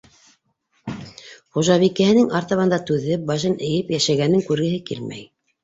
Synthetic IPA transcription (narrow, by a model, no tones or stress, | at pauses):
χuʒɑβikɘ̆hɘ̆nɘŋɑɾt̪ɑβɑnd̪ɑt̪ʉðɘbɑʒɤnɘ̆jɘpjæʃæɡænɘŋkʉɾɡɘ̆ɦɘkilmæ̰j